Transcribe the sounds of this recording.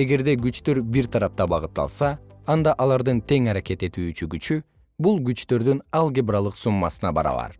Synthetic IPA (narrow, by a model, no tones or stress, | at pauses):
e̞ɡe̞ɾd̪e̞ɡyt͡ʃt̪ø̞ɾbiɾt̪ʰɑɾɑp̚t̪ɑbɑʁɯt̪ːɑ̰lˠsɑːnd̪ɑʔɑlˠɑɾd̪ɯnt̪ʰe̞ŋɑɾake̞t̪e̞t̪yːt͡ʃyɡyt͡ʃy | bulˠɡyt͡ʃt̪ø̞ɾd̪ynɑlˠɡʲebrɑlˠɯqsumːɑ̰sɯnɑbɑ̰ɾɑ̰ʋɑ̰ɾ